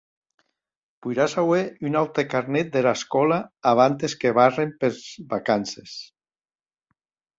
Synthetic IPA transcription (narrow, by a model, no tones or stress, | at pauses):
pujɾasaweynalt̪ekaɾnet̪̚d̪elaskɔlaːβ̞ant̪eskeβ̞arempeɾzβakanses